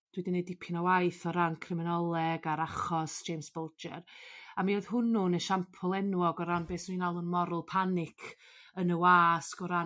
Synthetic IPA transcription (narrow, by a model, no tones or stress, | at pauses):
d̥widɪnedɪpʰɪnawajθɔɾankʰrɪmɪnɔlˠɛɡaɾaχɔsd͡ʒ̥ejmsb̥ɔlˠd͡ʒɛ̰ɾamioð̥hʊnunəʃampʰɔlˠɛnwɔɡɔɾanbeːsninalˠʊnmɔɾʊlˠpʰanɪkʰ | ənəwaːskɔɾa